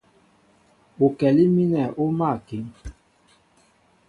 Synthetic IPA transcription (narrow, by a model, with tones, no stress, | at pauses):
o˨kɛ˨li˦mi˦nɛ˨ʔo˦ma˦˨ki˨˦ŋ